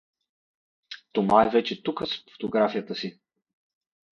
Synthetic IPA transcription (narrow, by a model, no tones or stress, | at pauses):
t̪omaɛvɛt͡ʃɛt̪ukəsfo̥t̪oɡɾafijət̪əsi